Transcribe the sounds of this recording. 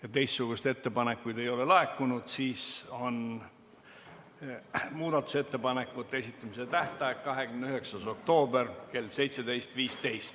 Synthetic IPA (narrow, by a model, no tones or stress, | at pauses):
jɑt̪e̞jst̪suɡ̥uset̪e̞t̪ːe̞pɑne̞kːujd̪e̞jo̞le̞lɑe̞kːˑunud̪̥siːso̞n | muːd̪ɑt̪ːˑu̥se̞t̪ːe̞pɑne̞kːˑut̪ːˑe̞sit̪ːˑɑmise̞t̪æht̪ɑekkɑɦe̞kymneyɦeksɑso̞kt̪o̞ːbe̞rke̞lːse̞jt̪se̞d̪e̞jst̪viːst̪e̞jst̪